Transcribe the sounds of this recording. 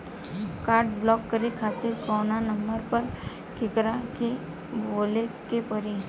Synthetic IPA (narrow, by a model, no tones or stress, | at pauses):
kaːɾʈ̚blɔːkːɐɾekʰaːt̪ɪɾkɔːnanɐ̃mbəɾpɐɾ | kɪkɾake | boːlekepɐɾi